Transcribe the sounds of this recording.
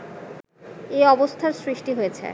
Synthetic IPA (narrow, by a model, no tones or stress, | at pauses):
eɔbost̪ʰaɾsɾiʃʈiɦojet͡ɕʰḛ